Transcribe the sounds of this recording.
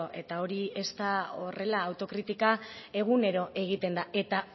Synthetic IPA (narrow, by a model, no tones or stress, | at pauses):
oʔe̞t̪ao̞ɾie̞st̪ao̞re̞laːwt̪o̞kɾit̪ikae̞ɣ̞une̞ɾo̞ʔe̞ɣ̞it̪e̞nd̪ae̞t̪a